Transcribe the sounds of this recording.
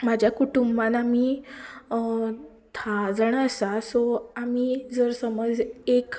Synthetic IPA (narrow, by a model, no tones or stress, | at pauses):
mad͡ʑʱjakuʈumbãnami | t̪ʰad͡zəɳəsasɔamid͡zəɾsəməd͡zek